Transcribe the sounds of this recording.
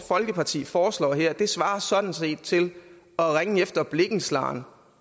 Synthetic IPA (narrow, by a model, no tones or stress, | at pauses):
fɒ̽lɡ̥əpʰɑ̈t͡sʰḭːfɒːslɒ̰ːɦeɐ̰d̥e̝sʋɑ̈ːɐsɒ̽d̥n̩se̝̰ːd̥̚t͡sʰe̝l | ɒ̽ʁaŋəefd̥ɐb̥le̝ɡ̥n̩slɑ̰̈ːn